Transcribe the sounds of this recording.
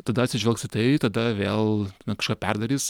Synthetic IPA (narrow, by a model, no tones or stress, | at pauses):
t̪ɐd̪ɐt̪ʲsʲɪʒʲʋʲɛlˠksɪt̪ɐɪt̪ɐd̪ɐʋʲeːlˠnɐkɐʃkɑːpʲɛrd̪ɐɾʲiːs